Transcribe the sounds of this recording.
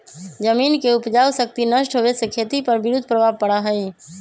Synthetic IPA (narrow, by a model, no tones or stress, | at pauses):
d͡ʒəminkeupd͡ʒawsək̚t̪inəʃʈɦoʋesekʰet̪ipəɾbɪɾud̪ʱpɾəbʱabpəɽaɦəj